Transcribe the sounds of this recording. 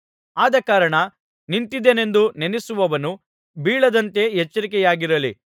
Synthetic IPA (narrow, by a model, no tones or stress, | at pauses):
aːd̪ɐkaːɾɐɳɐ | nint̪id̪eːne̞nd̪unenɛsuʋɐʋɐnu | biːɭɐd̪ɐnt̪e̞ɦet͡ʃːɐɾik̬ɛjaːɡiɾɐlḭ